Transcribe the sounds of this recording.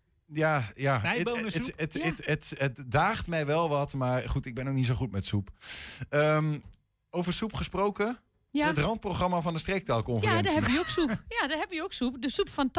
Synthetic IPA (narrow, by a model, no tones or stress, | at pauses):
jaja | ətətətdaːχtmɛjʋɛlˠʋɑtmaɹχutɪɡ̚bɛnoknis̬oχutmɛtsupəm | owvəsupχəsprowkə | ətrɑnt̚proχrɑmavɔndəstrek̚tɛlˠkɔnfaɪdhɛbəʋəjəoksupjadɔɦɛbəʋəjəoksupdəsupfɔnt